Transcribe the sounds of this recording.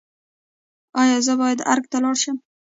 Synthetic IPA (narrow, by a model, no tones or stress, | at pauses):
ɒjɒzəbɒjad̪a̰ɾk̚t̪alɒɾʃam